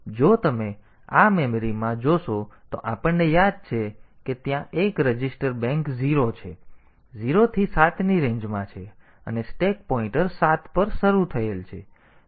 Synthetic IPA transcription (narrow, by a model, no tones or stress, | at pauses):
d͡ʒot̪əme | amemɾimãd͡ʒoʃot̪oʔapəɳnejad̪̚t͡ʃʰe | ket̪jãʔekɾəd͡ʒɪsʈəɾbɛ̃ŋkziɾot͡ʃʰe | ziɾot̪ʰisat̪ʰniɾẽɲd͡ʒmãt͡ʃʰe | ə̰nesʈek̚pɔĩʈəɾsat̪ʰpəɾʃəɾut̪ʰəelt͡ʃʰe